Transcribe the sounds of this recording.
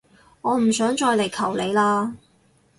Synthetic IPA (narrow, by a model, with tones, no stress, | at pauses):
ŋɔː˨˧m̩˨˩sœː˨˥ŋt͡ʃɔː˧jle˨˩jkʰɐ˨˩wle˨˧jlaː˧